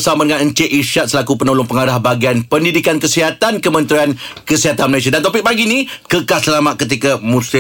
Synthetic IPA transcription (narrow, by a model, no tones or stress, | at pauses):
samadəŋãnəɲt͡ʃeʔiʃat̪̚səlakupənolʊŋpəŋaɾahbaɡianpəndidikankəsiɦat̪ankəmə̃nt̪ɾiankəsiɦat̪anməlais̬adant̪opɪk̚paɡinĩkəkasəlamaʔ̪̚kət̪̬ikamũsɪ